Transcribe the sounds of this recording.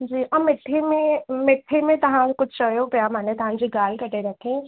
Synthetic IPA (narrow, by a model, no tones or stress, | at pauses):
d͡ʒiːʔɐmɪʈʰːemẽmɪʈʰːemẽt̪ɐɦãkʊt͡ʃʰt͡ʃəjopjamãnẽt̪ɐɦãd͡ʒiɡaːlkɐʈeɾɐkʰẽː